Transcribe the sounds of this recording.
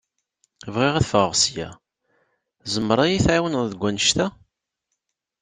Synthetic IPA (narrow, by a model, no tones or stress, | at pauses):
vʁiʁæθfəʁʁsjæ̰ | zəmːəɾˤæjiθʕawənððəɡʷːænʃt̪æ